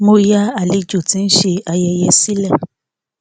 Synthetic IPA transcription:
mo˦ja˦a˨le˧d͡ʒo˦˨tĩ˨˦n̩˦ʃe˧a˧jɛ˧jɛ˧si˦lɛ˦˨

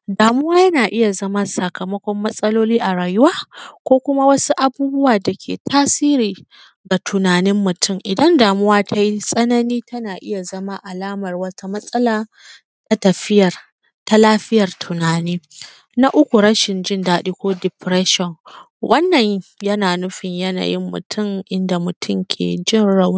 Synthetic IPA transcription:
daː˨mʊ˦waː˦jɐ˦naː˨ʔɪ˦ja˨zɐ˦ma˦sɐ˨kɐ˨mɐ˦kʷɔ˦mːɐ˦sʼɐ˦loː˦liː˦ʔa˨ɽaː˨jʊ˦waː˦kʷoː˦kʷʊ˦ma˦wɐ˦su˦ʔa˨buː˦bʊ˦waː˨da˨kʲʰḛː˨tʰaː˦siː˦ɾiː˨ | ɡa˨tʰʊ˨naː˨nɪ˦mːʊ˨tʊ˦˨mʔɪ˨dɐ˦ndaː˨mʊ˦waː˦tʰa˦ji˦sʼɐ˦nɐ˦niː˦tɐ˦naː˨ʔɪ˦ja˨zɐ˦ma˦ʔa˨laː˦mɐ˨rwɐ˦ta˦mɐ˦sʼɐ˦laː˨ | ta˦tɐ˨ɸɪ˦jɐ˨r | ta˦laː˦ɸɪ˦jɐ˨rtʰʊ˨naː˨niː˦ | na˦ʔʊ˦kʷu˨ɽɐ˦ʃɪ˨nd͡ʒɪ˦ndaː˦ɗi˦kʷoː˦dɪ˨pɾɛ˦ʃɔ˨n | wʔɐ˦nːɐ˨ɲjɐ˦naː˨nʊ˦ɸɪ˨ɲjɐ˦na̰˨jɪ˦mːʊ̰˨tʰʊ˦mʔɪ˦nda˨mʊ˨tʰʊ˦mkʲʰḛː˨d͡ʒɪ˦ɽa˦w

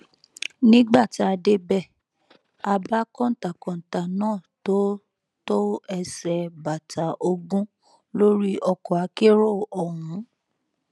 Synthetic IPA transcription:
nĩ˦ɡ͡ba˦˨ti˨˦a˧de˦bɛ˦˨ | a˧ba˦kɔ̃˦˨ta˨kɔ̃˨n̩˨ta˨nãː˦˨to˨˦ | to˦ɛ˧sɛ˧ba˨ta˨˦ʔo˧ɡũ˦ | lo˦ɾi˦ʔɔ˧kɔ˨a˨˦ke˦ɾo˦˨ɔ˨ɦũ˨˦

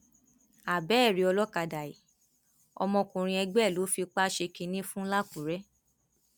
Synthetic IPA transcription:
a˨bɛ˨˦˨ɾi˨˧ɔ˧lɔ˦ka˧da˨i˨ | ɔ̰˧mɔ̃˧kũ˨ɾ̃ĩ˧ɛ˧ɡ͡bɛ˦˨lo˨˦fi˧k͡pa˦ʃe˧kĩ˧nĩ˦fũ˦la˦kũ˨ɾɛ˦

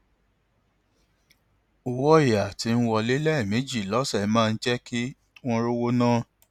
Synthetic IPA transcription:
o˨wɔ˦i˦˨ja˨ti˨˦˧n̩˦wɔ˧le˦lɛ˦i˦˨mẽ˨˦d͡ʒi˦˨lɔ˨˦sɛ˦˨˦mãː˦˧n̩˦d͡ʒɛ˦ki˦ | w̃ɔ̃˦ɾo˦wo˦nãː˦˨

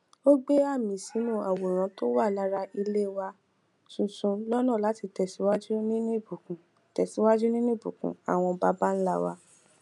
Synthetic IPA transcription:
o˦ɡ͡be˦a˦˨mĩ˨sĩ˨˦nũ˦˨a˨wo˨ɾ̃ã˨˧˦to˦wa˦˨la˨˦ɾa˧i˧le˦wa˧ | sũ˨sũ˧lɔ˦nã˦˨la˨˦ti˨˧tɛ˨si˨˦wa˦d͡ʒu˦nĩ˦nũ˦i˦˨bu˨kũ˨ | tɛ˨si˨˦wa˦d͡ʒu˦nĩ˦nũ˦i˦˨bṵ˨kṵ̃˨˦a̰˦˨w̃ɔ̃˧ba˦ba˦n̩˦la˦˨wa̰˧

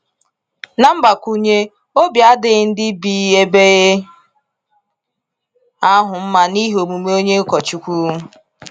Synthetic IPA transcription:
na˦m̩˦ba˨kʷu˦ɲe˦ | o˦bja˦dɪ˦n̩˦dɪ˦biː˨e˦be˦ɣe˦ | a˦ɦʊ˨m̩˦ma˦ni˦ɦo˨mu˨me˦o˦ɲe˦kɔ˨t͡ʃu˨kʷu˦

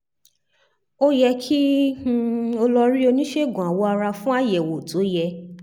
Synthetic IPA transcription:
o˦jɛ˧kʰĩ˦˧ | o˧lɔ˧ɾi˦o˧nĩ˦ʃe˦˨ɡũ˨a˨wɔ˨˦a˧ɾa˧fũ˦a˦˨jɛ˨wo˨tʰo˨˦jɛ˧

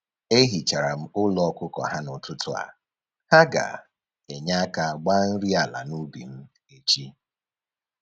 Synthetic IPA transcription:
e˦ɦi˨t͡ʃa˨ɾa˨m̩˦ʊ˦lɔ˦ɔ˦kʷʊ˦kɔ̰˨ɦa˦nʊ˨tʊ˦tʊ˨a̰˨ | ha˦ɡa̰˨ | e˨ɲa˦ka˨ɡ͡ba˦n̩˦ɾi˦a˨la̰˨nu˦bḭ˨m̩˦ | e˨t͡ʃi˦

